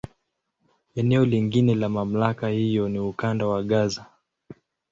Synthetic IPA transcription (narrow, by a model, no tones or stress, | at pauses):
ɛnɛɔliŋɡinɛlamam̩lakahijɔniukandawaɠaza